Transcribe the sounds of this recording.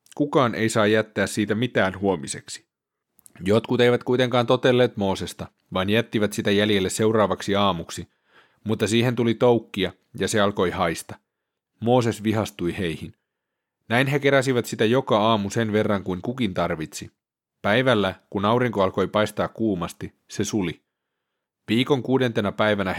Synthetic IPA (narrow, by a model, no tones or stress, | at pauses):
kukɑːnʔe̞jsɑːjæt̪ːæːssiːt̪æmit̪æːnhuo̞mise̞ksi̥ | jot̪kut̪ejʋæt̪kujt̪eŋkɑːnt̪o̞t̪elːe̞ːt̪mo̞ːse̞st̪ɑ | ʋɑːnjæt̪ːiʋæt̪sit̪æjæljelːese̞wrɑːʋɑksiɑːmuksi | mut̪ːɑsiːɦe̞nt̪ulit̪owkːiɑ | jɑseɑlko̞jhɑjst̪ɑ | mo̞ːse̞sʋiɦɑst̪ujhe̞jhin | næinɦeke̞ɾæsiʋæt̪sit̪æjo̞kɑɑːmuse̞nʋe̞rːɑŋkuiŋkukint̪ɑrʋit̪si | pæjʋælːækunɑuɾiŋkoɑlko̞jpɑjst̪ɑːkkuːmɑst̪i | se̞suli | ʋiːko̞ŋkuːde̞nt̪e̞næpæjʋænæ